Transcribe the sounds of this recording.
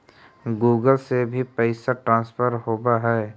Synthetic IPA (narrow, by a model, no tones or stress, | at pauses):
ɡuːɡəlsebʱipɛɪsaʈɾãːnspʰəɾɦoːbaɦɛː